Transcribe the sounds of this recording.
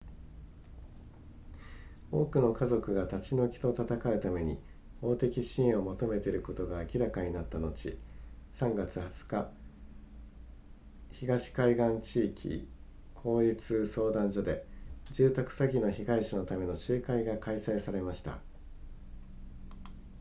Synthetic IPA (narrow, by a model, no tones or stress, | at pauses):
o̞ːkɯ̟no̞kazo̞kɯ̟ɡat̪at͡ɕino̞kʲi̥t̪o̞t̪at̪akaɯ̟t̪ame̞ɲ̟ḭ | ho̞ːt̪e̞kʲiɕĩo̞mo̞t̪o̞me̞t̪e̞ɾɯ̟ko̞t̪o̞ɡaːkʲiɾakaɲ̟inat̪ːano̞t͡ɕisãŋɡat͡sɨhat͡sɨ̥ka | çiɡaɕi̥kaiɡãɲt͡ɕiːkʲʰḭ | ho̞ːɾʲit͡sɨso̞ːd̪ãɲd͡ʑo̞d̪e̞d͡ʑɨːt̪akɯ̥saɡʲino̞çiɡaiɕano̞t̪ame̞no̞ɕɨːkaiɡakaisaisaɾe̞maɕi̥t̪a̰